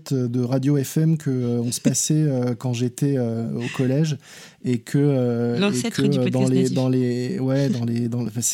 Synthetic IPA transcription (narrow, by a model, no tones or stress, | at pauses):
t̪ød̪əʁad̪joɛfɛmkʰəøɔ̃sə̥pasɛøkɑ̃ʒet̪ɛøokʰɔlɛʒ | ekʰəøekʰəød̪ɑ̃led̪ɑ̃lewɛd̪ɑ̃led̪ɑ̃fɛ̃s